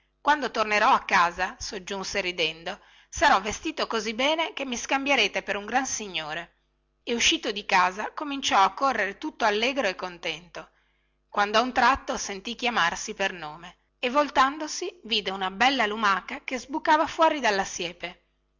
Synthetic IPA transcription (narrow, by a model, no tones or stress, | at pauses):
kwand̪ot̪orneɾɔakːaːzasod͡ʒːunseɾid̪ɛnd̪o | saɾɔvːest̪iːt̪okozibːɛːnek̟emːiskambjeɾeːt̪epeɾuŋɡɾansiɲːoːɾe | euʃːiːt̪od̪ikaːzakomint͡ʃɔakːorːeɾet̪ut̪ːoalːeːɡɾoekːont̪ɛnt̪o | kwand̪oaunt̪ɾat̪ːosent̪ik̟jamarsipernoːme | evːolt̪and̪osiviːd̪eunabɛlːalumakakezbukːaːvafwɔːɾid̪alːasjɛːpe